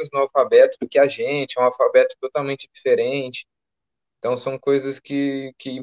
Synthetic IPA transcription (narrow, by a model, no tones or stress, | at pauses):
ʊznʊ̃awfabɛt̪ʊd̪ʊkɪaʒẽnt͡ʃɪɛũawfabɛt̪ʊ̥t̪ot̪awmẽnt͡ʃɪd͡ʒifeɾẽt͡ʃɪ̥ | ẽt̪ɐ̃w̃sɐ̃w̃kojzɐskɪkɪ